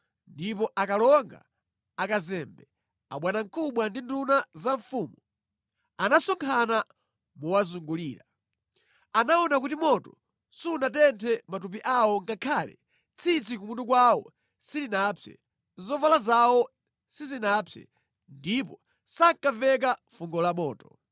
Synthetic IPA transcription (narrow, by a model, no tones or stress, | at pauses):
ndipɔʔakalɔŋɡa̰ | akazɛmbɛ | a̰ɓwanaŋkʰuɓwandindunazaɱfuːmu | anasɔŋkʰana | muwazuŋɡuliːɾa | anaɔnakutimɔtɔ | suːnatɛntʰɛmatup̬iʔawɔŋkakʰaːlɛ̰ | t͡sʰit͡sʰikumuntuk̬wawɔ̰ | silinapʰɛ̰ | zɔvalazawɔ | sizinapʰɛ̰ | ndipɔ | saŋkavɛk̬afuŋɡɔlamɔːtɔ̥